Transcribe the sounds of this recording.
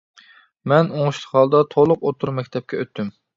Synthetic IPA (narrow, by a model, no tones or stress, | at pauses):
mɛnoŋuʃt̪ʰχɑlˠd̪ɑt̪ʰolˠʊqot̪ʰuɾmɛkʲt̪ʰɛp̚kʲɛøt̪ʰːym